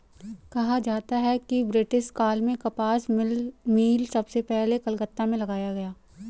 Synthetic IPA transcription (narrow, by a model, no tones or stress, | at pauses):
kɐɦad͡ʒaːt̪aɦɛkibɾɪʈɪsʈkaːlmẽkɐpaːsmiːlsɐbsepɛɦlekɐlkət̪ːamẽlɐɡaːjaɡɐjaː